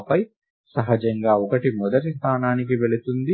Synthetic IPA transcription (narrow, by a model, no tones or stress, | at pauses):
pɐj | sɐɦɐd͡ʒɐŋɡaːɔkɐʈimɔd̪ɐɾist̪ʰaːnaːnik̬iʋe̞ɭut̪und̪i